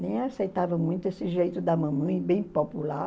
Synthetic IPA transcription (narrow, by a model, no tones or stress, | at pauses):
nẽj̃asejt̪avɐmũj̃t̪ʊesɪʒejt̪ʊd̪ɐmɐ̃mɐ̃j̃bẽj̃popula